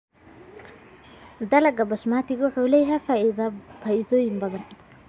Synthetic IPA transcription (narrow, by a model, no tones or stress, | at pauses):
d̪ɐlɐɡɐbɐʃmaːt̪ʰɪɣɐwʊħuːlɛːjɐɦɛf | faːʔɪðɔːjɪmbɐðɐn